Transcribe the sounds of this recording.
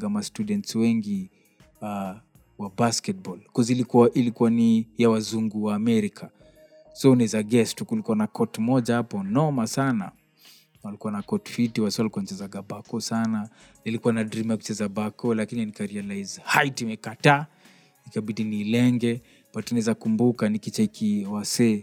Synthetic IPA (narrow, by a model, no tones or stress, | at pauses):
ɡamastudɛntswɛŋɡi | a | wabaskɛt̚bɔlkɔzilikuwaʔilikuwanijawazuŋɡuwaːmɛɾikʰa | sɔunɛzaɡɛstukulikuanakʰɔtmɔʄahapɔnɔmasana̰ | alikuwanakɔtfitiwasialikuant͡ʃɛzaɡabakɔsana | nilikuwanadɾimjaku̥t͡ʃɛzabakɔlakinianikaɾialajzhajtimɛkata | nikabidinilɛŋɡɛ | patunɛzakumbukanikit͡ʃaikiwasɛ